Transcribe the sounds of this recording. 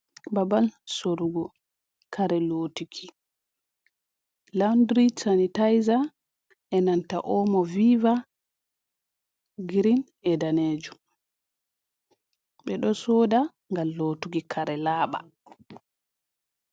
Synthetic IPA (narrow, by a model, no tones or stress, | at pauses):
babalsoɾuɡɔ | kʰaɾɛloːtukʰi | landɾisanitajza | ʔɛnanta̰ʔɔmɔviva | ɡiɾin | ɛdaneːd͡ʒu | ɓɛɗɔsoːda | ŋɡalːotuɡikʰaɾɛlaːɓa̰